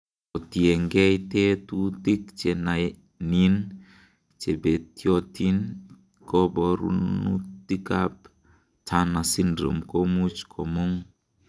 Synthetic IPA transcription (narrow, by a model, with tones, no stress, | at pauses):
ɔ˨ti˨e˨ŋɡɛ˦jte˦tu˦ti˦k̚t͡ʃe˨na˨ | ni˦n | t͡ʃe˨be˨tjɔ˦ti˦n | kɔ˦bɔ˨ɾṵ˦nṵti˦ka˦p | tʰa˦na˨si˦ndɾo̰˨mko˦mu˦t͡ʃkʰɔ˨mo˦ŋ